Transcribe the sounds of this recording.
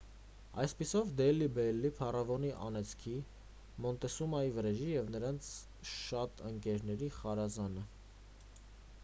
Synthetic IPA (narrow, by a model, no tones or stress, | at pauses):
ɑjspisɔvd̪ɛlːibɛlːipʰɑrɑvɔniʔɑ̰nɛt͡sʰkʰi | mɔnt̪ɛsumɑjivrɛʒijɛvnəɾɑnt͡sʰ | ʃɑt̪əŋkɛɾnɛɾiχɑɾɑzɑnə